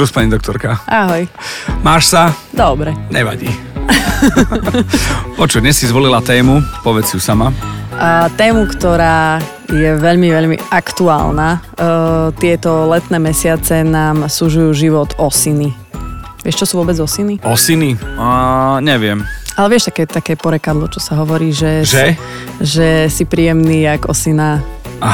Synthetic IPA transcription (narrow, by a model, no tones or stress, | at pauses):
uspaɲid̪ɔkt̪ɔɾkaʔaɦɔj | maːʃsa | d̪ɔbɾɛɲɛʋa̰ɟiː | pɔt͡ʃud̪ɲɛsːizʋɔlilat̪ɛːmupɔʋɛiusama | t̪ɛːmukt̪ɔɾaː | jɛʋɛʎmiʋɛʎmḭakt̪ua̰ːlnaː | t̪ɪɛt̪ɔlɛt̪nɛːmɛsɪat͡sɛnaːmsuʒujuːʒiʋɔt̪ɔsini | ʋɪɛʃt͡ʃɔsuːʋʊɔbɛd͡zɔsiniɔsiniaɲɛʋɪɛmalɛʋɪɛʃt̪akɛːt̪akɛːpɔɾɛkad̪lɔt͡ʃɔsaɦɔʋɔɾiːʒɛʒɛ | ʒɛsipɾiːjɛmniːaɡɔ̰sina